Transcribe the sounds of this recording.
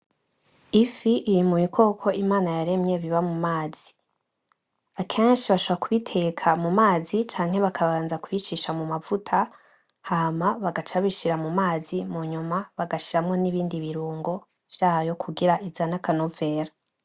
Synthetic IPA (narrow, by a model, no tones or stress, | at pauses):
ifiʔijimumikʰo̞ːkʰo̞ʔimaːnajaɾe̞mɲe̞βiβamumaːz̥i | akʰe̞ːnʃiβaʃoβakuβitʰe̞kʰamumaːzit͡ʃaːŋ̥he̞βakʰaβaːnzakwit͡ʃiʃamumavutʰa | hamaβaɡat͡ʃaβiʃiɾamumaːzimuɲumaβaɡaʃiɾamŋo̞niβiːndiβiɾuːŋɡo̞ | v̥jaːjo̞kʰuɡiɾaʔizanakanuve̞ːɾa